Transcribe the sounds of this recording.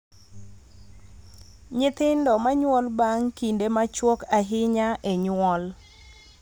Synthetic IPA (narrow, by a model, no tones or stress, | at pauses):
ɲɪt̪ɪndɔmaɲwɔlbaŋkindemat͡ʃwɔkaɦɪɲaʔeɲwɔl